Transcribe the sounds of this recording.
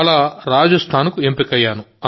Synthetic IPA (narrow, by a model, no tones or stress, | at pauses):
ɭaːɾaːd͡ʒɐst̪ʰaːnkuempikɐjːaːnuɐ